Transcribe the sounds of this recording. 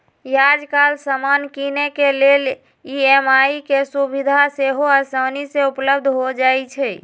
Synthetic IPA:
jad͡ʒkalsəmankinekelel | iemaikesubid̪ʱaseɦoasəwniseupləb̚d̪ʱɦod͡ʒajt͡ʃʰɛ

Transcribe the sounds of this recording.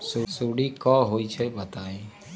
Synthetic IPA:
susuɽikɔːɦoːit͡ʃʰɛbət̪aːe

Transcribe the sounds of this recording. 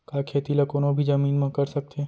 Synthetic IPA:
kaːkʰeːt̪ilɐkoːnõbʱid͡ʒɐmiːnmɐ̃kɐɾsɐk̚t̪e

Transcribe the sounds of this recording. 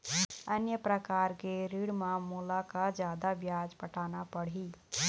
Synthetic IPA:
ənjəpɾəkaːɾkeɾiɽmamulakad͡ʒjaːd̪abjad͡ʒpəʈʰaːnapəɽ̤i

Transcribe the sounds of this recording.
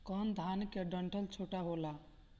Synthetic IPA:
kənd̪ʱankeɖəɳʈʰəlt͡ʃʰoʈaɦola

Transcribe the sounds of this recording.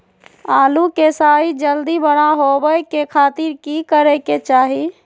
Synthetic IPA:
alukesaːid͡ʒəld̪ibəɽ̃aɦobəjkekʰaːt̪iɾkikəɾɛket͡ʃaːɦi

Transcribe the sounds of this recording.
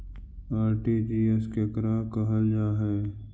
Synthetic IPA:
aːɾʈiːd͡ʒiːeskekɾaːkəɦəld͡ʒaːɦɛː

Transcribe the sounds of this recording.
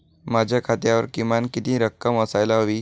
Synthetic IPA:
mad͡ʑʱjakʰat̪jaʋəɾkimankit̪ĩːɾəkːəməsajlaɦoʋiː

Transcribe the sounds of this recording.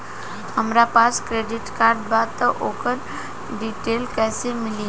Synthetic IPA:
həmɾapaːskɾeːɖɪʈkaːɾɖbaːd̪̚t̪əʔoːkəɾ | ɖiːʈeːlkɛːsemɪli

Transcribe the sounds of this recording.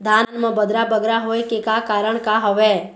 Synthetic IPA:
d̪ʱannmə̃bəd̪ɾabəɡɾaɦojkekakaɾəɳkaɦəʋe

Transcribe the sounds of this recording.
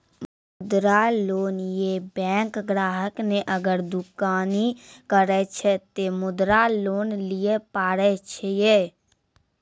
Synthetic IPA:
m | ʊd̪ɾaloːnjebɛ̃ːŋkɡɾaːɦəkneʔɐɡəɾd̪ʊkaːnikəɾɛt͡ʃʰɛt̪emʊd̪ɾaloːnlijepaːɾɛt͡ʃʰejeː

